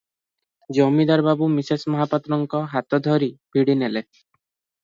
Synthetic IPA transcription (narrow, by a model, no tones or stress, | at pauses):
d͡ʒomid̪aɾbabumisesmɔɦapat̪ɾɔŋkɔɦat̪ɔd̪ʱɔɾib̥ʱiɽinele